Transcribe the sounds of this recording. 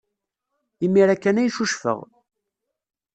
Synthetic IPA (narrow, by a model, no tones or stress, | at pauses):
imːiɾækːænæjʃuʃfə̰ʁ